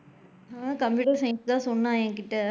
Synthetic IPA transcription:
akɐmpjuːʈɐɾsɐɪ̃nst̪ãːsɔnːãːɛ̃ːŋkɪʈːɐ

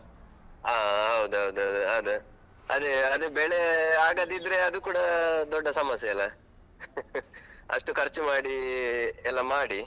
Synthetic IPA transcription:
aːɦɐwud̪uɦɐwud̪uɦɐwd̪uɦɐd̪u | ɐ̰d̪eɐd̪ubeɭeaːɡɐd̪id̪ɾe̞ɐd̪ukuːɽɐd̪ɔɖːɐsɐmɐsjɐilːɐ | ɐ̰ʂʈukʰɐɾt͡ʃumaːɽi | ɛlːɐmaːɽi

